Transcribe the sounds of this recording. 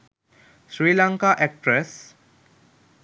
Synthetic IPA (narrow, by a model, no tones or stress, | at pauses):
sɾiːlaŋkaːʔɛk̚ʈɾes